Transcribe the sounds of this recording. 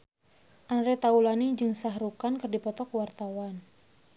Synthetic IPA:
ʔandɾɛt̪aulanid͡ʒɨŋsaɦɾukankɨrdipɔt̪ɔkwart̪awan

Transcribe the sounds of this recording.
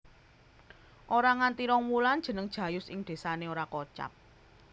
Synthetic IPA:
ʔoɾaŋant̪iɾɔŋmuland̥ʒ̥ə̤nəŋd̥ʒ̥ä̤jʊsɪŋd̪̥e̤saneoɾakot͡ʃa̰p̚

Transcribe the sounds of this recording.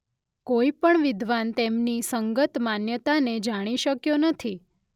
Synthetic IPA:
koipəɳʋɪd̪ʱʋant̪emnisəŋɡət̪manjət̪aned͡ʒaɽ̃iʃəkjonət̪ʰi

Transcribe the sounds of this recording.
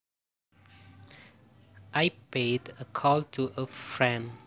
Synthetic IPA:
ʔajpedəkʰɔltʰuʔəfɹɛ̃n

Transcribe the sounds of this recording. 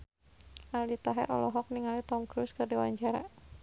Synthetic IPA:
aldit̪aɦɛ̰ɾʔɔ̰lɔɦɔk̚niŋalit̪ɔmkɾuskɨrdiwaɲd͡ʒaɾa

